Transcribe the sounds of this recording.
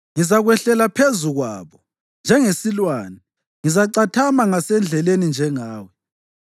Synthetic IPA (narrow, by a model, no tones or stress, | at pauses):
ŋizaɣwɛɬɛlapʰezuɣwa̰ːβɔ | nd͡ʒʱɛŋesilwaːnɛ | ŋizaǃatʰamaŋasɛnd͡ɮʱɛlenind͡ʒʱɛŋaːwɛ